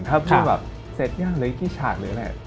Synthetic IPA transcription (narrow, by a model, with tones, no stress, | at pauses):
ŋt̪ʰaː˥˩wkʰɯː˥˧˥bɛ̰ː˨˩p̚ | se˨˩t̪̚jaː˥˩ŋlɤː˨˦kiː˥˩t͡ɕʰaː˨˩k̪̚lɯː˨˦lɛ̰˨˩